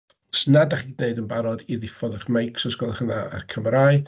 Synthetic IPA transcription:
snadaχineɨdənbaɾɔdiðɪfɔðəχmejksɔsɡ̥ɔlˠχənaa̰rkʰəmɾaːɨ

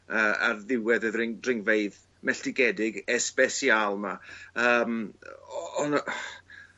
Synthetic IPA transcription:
əːa̰rðɪwɛðəðrɪŋrɪŋveɨð | mɛɬd̥ɪɡɛdɪɡɛsb̥ɛsialˠmaəːm | ɔn

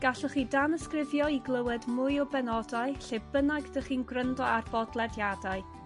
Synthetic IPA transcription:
ɡ̥aɬɔχiːdanəskrɪvjɔiɡlˠəwɛdmʊɨɔbɛnɔdaɨɬebənaɡdəχiːnɡrəndɔarb̥ɔdlˠɛdjadaɨ

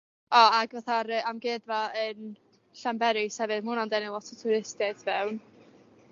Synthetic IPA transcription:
ɔaɡvɛθaɾəamɡeːdvɔən | ɬambɛɾɪshɛvɨðmunɔndɛnɪlˠɔtʰɔtʰʊɾɪstɛθvɛwn

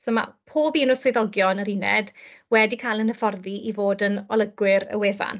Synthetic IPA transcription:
soma̰pʰoːbiːnʊswɪðɔɡjɔnəɾinɛ̰dwɛdikʰaːjlˠənəfɔrðiʔivoːdənɔlˠəɡwɪɾə̰weːva̰n

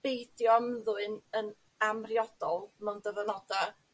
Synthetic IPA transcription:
bejdjɔmðuɨnən | amrjɔd̥ɔlˠmɛwndəvənɔda

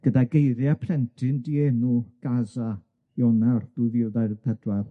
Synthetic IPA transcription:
ɡ̥ədaɡejɾjapʰrɛntʰɪndienuɡ̥aza | jɔnarð̥uðiːlˠðajɾðɛdwar

